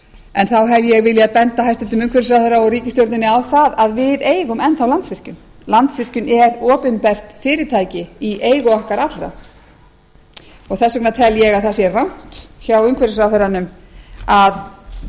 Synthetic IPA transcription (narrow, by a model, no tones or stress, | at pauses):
ɛnθawɦɛvjɛɣvɪljaðpɛnt̪aɦajst̪ʏnt̪ʏmʏŋkvɛɾɪs̬ɾawθœɾaɔɣriːcɪst̪jowɾt̪ɪnːɪawθaðaðvɪðeːjɣʏmɛnθawlant̪svɪr̥cʏm | lant̪svɪr̥cʏnɛɾɔːpʏnpɛr̥t̪fɪːɾɪɾt̪ʰajcɪiʔeːjɣʏɔhkaɾat̪lɾa̰ | ɔɣθɛsːʏknat̪ʰɛljɛɣaðθasjɛrrawn̥t̪çawʏŋkvɛɾɪs̬ɾaθœɾanʏmað